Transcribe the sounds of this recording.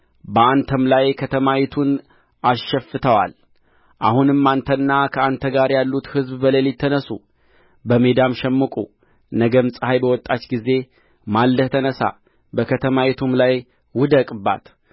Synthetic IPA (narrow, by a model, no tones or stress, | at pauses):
bəant̪ʰəmlajkʰət̪ʰəmawit̪ʰun | aʃɛfːɨt̪ʰəwa̰l | ʔahunɨmːant̪ʰənːakʰəant̪ʰəɡaɾjalːut̪hɨzbbəlelit̪ʰːənəsu | bəmed̪amʃɛmːɨkʼṵ | nəɡəmsʼɨhajbəwɔt̪ʼːat͡ʃɡize̞ | malːəht̪ʰənəsa̰ | bəkʰət̪ʰəmawit̪ʰumlaj | wʊd̪əkʼba̰t̪